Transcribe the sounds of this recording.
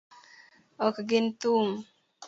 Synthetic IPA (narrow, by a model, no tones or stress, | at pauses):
ɔkaɡint̪um